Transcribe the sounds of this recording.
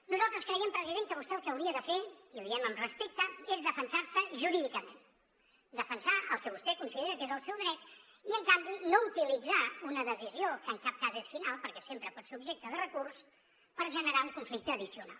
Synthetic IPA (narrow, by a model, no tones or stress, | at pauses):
nuzalˠt̪ɾəskɾəjɛmpɾəziðemkəβust̪ɛəlˠkəwɾiəðəfeiβiɛməmrəspek̚t̪əezðəfənsaɾsəʒuɾiðikəmḛn | d̪əfənsaʔəlˠkəβ̞ust̪ɛkunsiðeɾəkezəlˠsɛwðɾɛt̪ | iəŋkambinout̪ilid͡zaunəðəziziokəŋkap̚kazesfinalˠpəɾkɛsempɾəpɔt̪seubʒek̚t̪əðərəkurs | pəɾʒənəɾauŋkuɱflik̚t̪əːðisiuna̰lˠ